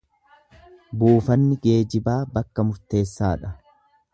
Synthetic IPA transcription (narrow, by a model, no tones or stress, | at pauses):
buːfɐnːɪɡe̞ːd͡ʒɪbaːbɐkːɐmʊɾt̪e̞ːsːaːᶑɐ